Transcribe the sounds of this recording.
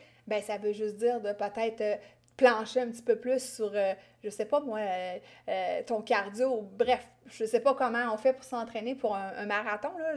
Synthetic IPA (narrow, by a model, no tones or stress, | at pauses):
bɛ̃savøʒʏsd̪iːʁd̪əpət̪ɛɪt̪χ | plɑ̃ʃeœ̃pt̪i̥pøplysːyʁø | ʒəsepɔmwaøː | t̪ɔ̃kʲaʁd̪jobʁɛf | ʒəsepɔkɔmɑ̃ɔ̃fɛpuʁsɑ̃t̪χɛnepuʁɛ̰̃ːmaʁat̪ɔ̃lɔ